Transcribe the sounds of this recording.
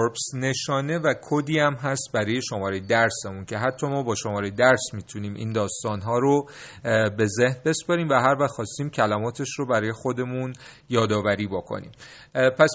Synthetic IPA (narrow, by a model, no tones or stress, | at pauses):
ɾpsne̞ʃɒːne̞vækʰod̪iːæmɦæst̪̚bæɾɒːje̞ʃo̞mɒːɾejed̪æɾse̞muncʰe̞ɦæt̪ʰːɒːmɒːbɒːʃomɒːɾejed̪æɾsmiːt̪ʰuniːmʔḭːnd̪ɒːst̪ɒːnɦɒːɾo | be̞ze̞hnbe̞spɒɾiːmvæɦæɾvæhxɒːst̪iːmcʰælæmɒːt̪ʰe̞ʃrobæɾɒːje̞xo̞d̪e̞mun | jɒːd̪ɒːvæɾiːbokʰo̰nḭːm | pʰæs